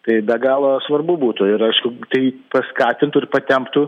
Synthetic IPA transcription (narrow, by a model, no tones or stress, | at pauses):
t̪ɐɪbʲɛɡɑːlˠɐsʋɐrbʊbuːt̪ʊɪɾɐɪʃkʊt̪ɐɪpɐskɑːt̪ʲɪnt̪ʊɪɾpɐt̪ʲɛmpt̪ʊ